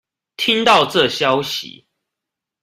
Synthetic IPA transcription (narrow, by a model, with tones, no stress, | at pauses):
t̪ʰi˦˥ŋt̪ɑ˥˨ʊʈ͡ʂɤ˥˨ɕjɑ˦ʊɕḭ˨˦